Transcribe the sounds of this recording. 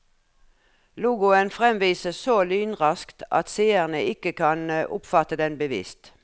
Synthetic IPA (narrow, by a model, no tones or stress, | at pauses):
luːɡʊənfʁɛmʋiːsəsoːlyːnʁɑskt̪ɑ̰t̪seːəʁnəʔɪkəkʰɑnʔʊ̰pfɑt̪əd̪ɛnbəʋɪ̰ːst̪